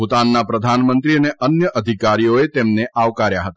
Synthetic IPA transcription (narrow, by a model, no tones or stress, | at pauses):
ʊt̪anːapɾəd̪ʱanmənt̪ɾiəneʔənjəʔəd̪ʱikaɾijoet̪emneʔaʋkaɾjaɦət̪a